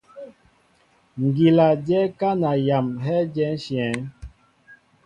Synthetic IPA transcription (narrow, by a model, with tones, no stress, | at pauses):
ŋ˨ɡi˨la˨d͡ʒɛ˦ka˦na˨ja˨mɦɛ˦d͡ʒɛ˦n˦ʃjɛ˨˦